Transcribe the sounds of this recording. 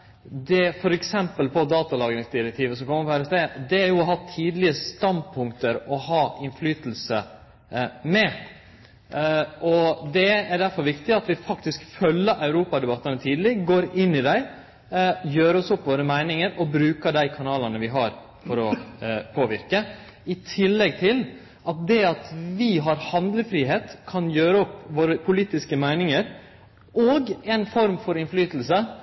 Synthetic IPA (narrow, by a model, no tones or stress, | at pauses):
d̪ɛfɔɾɛksɛmpəlpʰɔd̪ɑːt̪ɑlɑːɡɾɪŋsd̪ɪɾɛk̚t̪ʰiːʋəsɔmkʰɔmːəɾpɔæɾɛsd̪eːd̪ɛæɾjʊɔɦɑt̪ʰːiːd̪lɪəst̪ɑnd̪̚pʰʊŋkt̪əɾɔhɑːʔɪnflyːt̪l̩sə | mɛ | ʔɔd̪ɛæɖæɾfɔɾʋɪkt̪ɪɑt̪ʋɪfɑkt̪ɪskfœlːəʔɑʉɾuːpɑd̪ɛbɑt̪ːənət̪ʰiːd̪lɪɡoːɾɪnːɪd̪æɪ | jøːɾəɔsɔpːʋoːɾəmæɪnɪŋəɾɔbɾʉːkəɖ̪æɪkʰɑnɑːlɑnəʋɪɦɑɾ | fɔɾɔpʰoːʋɪ̰ɾkə | ɪt̪ʰɪlːɛɡ̚t̪ʰɪl | ɑt̪̚d̪ɛɑt̪ʋɪɦɑɾhɑnd̪ləfɾiːɦeːt̪kʰɑnjøːɾəɔpːʋoːɾəpʰʊliːt̪ɪskəmæɪnɪŋəɾ | ʔɔɡɛnfɔɾmfɔɾɪnflyːt̪l̩sə